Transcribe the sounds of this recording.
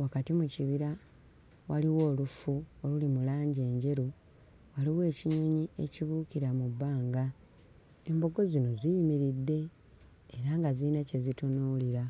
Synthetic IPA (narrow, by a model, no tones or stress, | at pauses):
wakatimuciβiɾa | waliwo̞ːlufuolulimulaːɲɟe̞ːɲɟe̞ɾu | waliwe̞ːciɲo̞ɲieciβuːkiɾamubːaːŋɡa | e̞mbo̞ɡo̞zino̞zijimiɾidːe̞ː | ɾaŋɡaziːnace̞zitonuːliɾa